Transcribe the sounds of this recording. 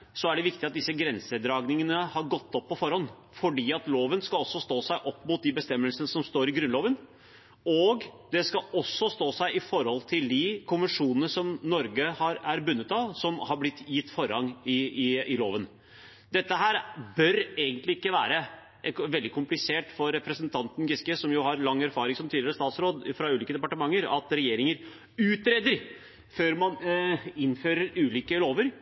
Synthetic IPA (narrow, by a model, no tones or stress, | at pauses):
sɔæɖɛʋɪkt̪ɪɑt̪̚d̪ɪsːəɡɾɛnsəd̪ɾɑːɡnɪŋənəhɑɾɡɔt̪ːɔpʰːɔfɔɾhɔnː | fɔɖiːɑt̪loːʋənskɑɔsːɔst̪oːsæɪʔɔpːmʊt̪̚d̪ɪbəst̪ɛmːəlsənəsɔmst̪oːɾɪɡɾʉnloːʋən | ɔɡd̪ɛskɑɔsːɔst̪oːsæɪʔɪfɔɾhɔlt̪ʰɪld̪ɪkʰʊnʋənʂuːnənəsɔmnɔɾɡəhɑɾæɾbʉnːət̪ɑsɔmhɑɾblɪt̪ːjɪt̪ːfɔɾɑŋɪɪloːʋən | d̪ɛt̪ːəɦæːɾbœɾeːɡənt̪lɪɪkːəʋæ̰ːɾə | ʔʋɛld̪ɪkʰʊmplɪseːʈfɔɾːɛpɾəsənt̪ʰɑnt̪n̩ɡɪskəsɔmjʊhɑɾlɑŋːæɾfɑːɾɪŋsɔmt̪ʰiːd̪ɪɾəst̪ɑːt̪sɾoːd̪fɾɑʉːliːkəd̪ɛpɑʈəmɑŋːəɾɑ̰t̪ɾɛjeːɾɪŋəɾ | ʉːt̪ɾeːd̪əɾ | føːɾmɑnɪnføːɾəɾʉːliːkəloːʋəɾ